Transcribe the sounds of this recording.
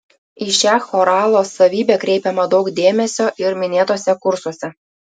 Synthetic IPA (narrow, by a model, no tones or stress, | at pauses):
iʃæxoɾɑlˠosɐʋʲiːbʲɛkɾʲejpʲɛmɐd̪ɒʊkd̪ʲeːmʲesʲoʔɪɾmʲɪnʲeːt̪oːsʲɛkuɾsosʲɛ